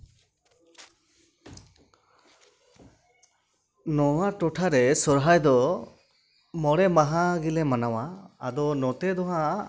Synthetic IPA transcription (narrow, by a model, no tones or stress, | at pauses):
nɔwaʈɔʈʰaɾɛsɔɾɦajd̪ɔ | mɔɽɛmaɦaɡilɛmanawaːd̪ɔnɔt̪ɛd̪ɔɦã